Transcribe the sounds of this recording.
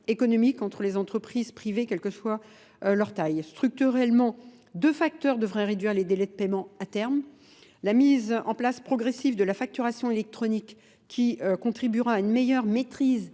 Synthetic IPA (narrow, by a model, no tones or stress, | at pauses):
ekɔnɔmikɑ̃t̪χəlezɑ̃t̪χəpχizpχivekʲɛlkəswa | lœʁt̪ajst̪χyk̚t̪yʁɛlmɑ̃ | d̪øfak̚t̪œʁd̪əvʁɛ̃ʁed̪ɥiʁled̪elɛd̪əpɛmɑ̃at̪ɛʁm | lamizɑ̰̃plaspχɔɡʁesivd̪əlafak̚t̪yʁasjɔ̃elɛk̚t̪χɔnikʰʲː | iøkɔ̃t̪χibyʁaːynmejœʁmet̪χiz